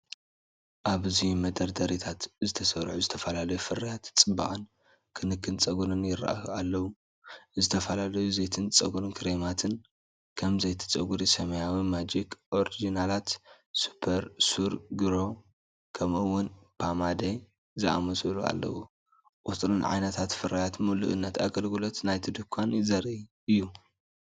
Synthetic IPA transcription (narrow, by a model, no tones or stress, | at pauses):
ʔaβɨzijumɐd̪ʼɐɾd̪ɐɾit̪ʰat̪zɨt̪ʰɐsɐɾħuzɨt̪ʰɐfɐlalɐjufɨɾːijat̪t͡sʼɨba̰χʼɨn | kʰɨnɨkːɨnt͡sʼɐɡuɾɨnjɪɾa̰ʔa̰halːɐwu | zɨt̪ʰɐfɐlalɐjuzejt̪ʰɨnt͡sʼɐ̰ɡuɾɨnkʰɨɾemat̪ʰɨn | kʰɐmzɐjt̪ʰɨ̥t͡sʼɐɡuɾisɐmɐjawimad͡ʒikʔo̞ɾid͡ʒinalat̪ | su̥pʰːɐɾsuɾɡiɾo̞ | kʰɐmɨwːʊnpʰamad̪e | zɨʔa̰mɐsɨlua̰lːɐ̰wu | kʼut̪ʼɾɨnʕa̰jnɐt̪ʰat̪fɨɾajat̪mulṵʔɨnːɐt̪aɡɐlɡɨlo̞t̪najt̪ʰid̪ɨkʰʷːanzɐɾi | ɨjːu